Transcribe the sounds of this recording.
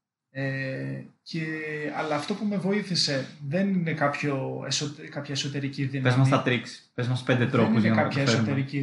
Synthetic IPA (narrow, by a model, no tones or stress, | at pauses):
e | ceɐlɐːft̪o̞pume̞vo̞iθise̞ðe̞nine̞kɐpço̞esot̪kɐpçɐeso̞t̪e̞ɾiciðinpezmɐst̪ɐt̪ɾiks | pezmɐst̪ospend̪et̪ɾopoznɐkɐçɐeseɾot̪ɾici